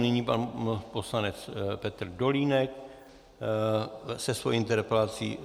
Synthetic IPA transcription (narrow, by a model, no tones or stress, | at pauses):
nɪɲipanpo̞slanɛt͡spɛt̪ɾ̩doliːnɛk̚ | sɛsvojɪnt̪ɛɾpɛlat͡sḭ